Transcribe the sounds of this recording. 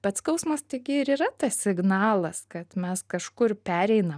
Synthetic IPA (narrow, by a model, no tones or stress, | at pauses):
pɐt̪skɐʊsmɐst̪ʲɪɡʲɪɪɾiːɾɐt̪ɐssʲɪɡnɑːlˠɐskɐt̪mʲɛskɐʃkʊrpʲæːɾʲɛɪnɐ